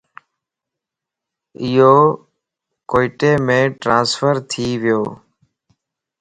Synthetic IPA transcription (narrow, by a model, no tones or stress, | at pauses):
ɪjoː | koːiʈeːmẽːʈɾãːnsfəɾt̪ʰiːʋɪjoː